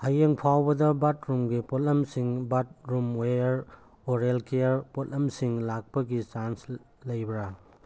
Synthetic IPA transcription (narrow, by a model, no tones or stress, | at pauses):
hɐjeŋpʰawbɐdɐbat̚ɾumɡipotlɐmsiŋbat̚ɾumejɐɾ | oɾelkeɾpotlɐmsiŋlak̚pɐɡit͡ʃans | lɐjbɾa